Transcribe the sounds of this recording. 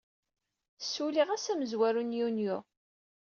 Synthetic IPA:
sːuliʁæsæməzwæɾunjunjʊ

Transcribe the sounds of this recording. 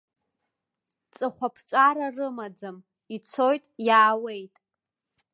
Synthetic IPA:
t͡sʼɨχʷapʰt͡ʃʷʼaɾarɨmad͡zɨm | it͡sʰo̞jtʼjaːwe̞jtʼ

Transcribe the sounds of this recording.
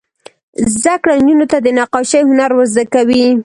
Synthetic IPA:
zd̪akɽand͡ʒunot̪ad̪ənaqɑʃajhʊnaɾwəzd̪akawi

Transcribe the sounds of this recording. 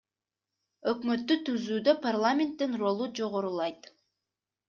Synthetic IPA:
ø̞kmø̞t̪ːyt̪yzyːd̪øparlˠamʲent̪ːinro̞lˠud͡ʒo̞ʁoɾulˠɑjt̪

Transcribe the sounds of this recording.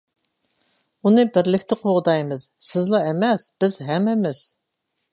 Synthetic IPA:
unɨbɪɾlɪkʲt̪ʰɪqʰoʁd̪ɑjmɨz̥sɪzlˠɑɛmɛsb̥ɪz̥ɦɛmɛmɪs

